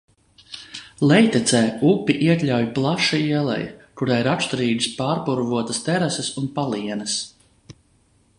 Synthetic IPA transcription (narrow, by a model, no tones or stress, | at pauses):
lɛjt̪ɛt̪sɛːupʲiʔiɛk̪lʲawjplˠaʃiiɛlˠɛ̰jkuɾajiɾaʃt̪ɾiːd̪ispaːɾpuɾvuɔt̪ast̪ɛɾæsɛsunpalˠiɛnəs